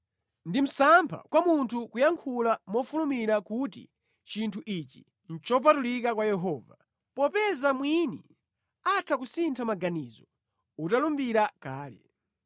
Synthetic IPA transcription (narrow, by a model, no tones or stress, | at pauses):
ndim̩sampʰa̰kwamuntʰukujaŋkʰulamɔfulumiɾakut̬ḭ | t͡ʃintʰuʔit͡ʃi̥ | n̩t͡ʃɔp̬atulikakwajɛɦɔːva | pɔpɛzamwinḭ | atʰakusintʰamaɡanizɔ | utalumbiɾakaːlɛ̰